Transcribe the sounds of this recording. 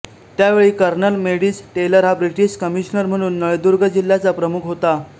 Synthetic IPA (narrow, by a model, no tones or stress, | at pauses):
t̪jaʋeɭiːkəɾnəlmeɽiːsʈeləɾɦabɾiʈiɕkəmiɕnəɾm̤əɽ̃uːnːəɭd̪uɾɡəd͡ʑilːjat͡sapɾəmukʰɦot̪a